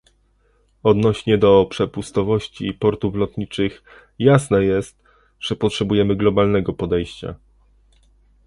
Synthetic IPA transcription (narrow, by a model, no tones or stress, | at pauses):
ɔd̪nɔɕɲɛd̪ɔpʂɛpust̪ɔvɔɕt͡ɕipɔɾt̪uflɔt̪ɲit͡ʂɘx | jasnɛjɛst̪̚ | ʐ̥ɛpɔtʂɛbujɛmɘɡlɔbalnɛɡɔpɔd̪ɛjɕt͡ɕa̰